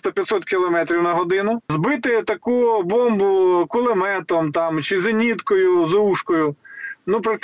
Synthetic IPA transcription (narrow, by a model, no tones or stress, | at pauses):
t̪ɐpʲjɐt̪sɔt̪kʲilˠɔmɛt̪ɾʲiwnɐɦɔd̪ɪnʊzbɪt̪ɪt̪ɐkubɔmbʊkʊlˠɪmɛt̪ɔmt̪ɑmt͡ʃɪzɪnʲit̪kɔjʊzuʂkɔjʊnupɾɐk̚t̪